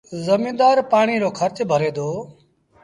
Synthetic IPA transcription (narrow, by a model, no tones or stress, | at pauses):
zəmĩːnd̪aːɾpaːɳ̃iːɾoːkʰəɾt͡ʃbʱəɾeːd̪oː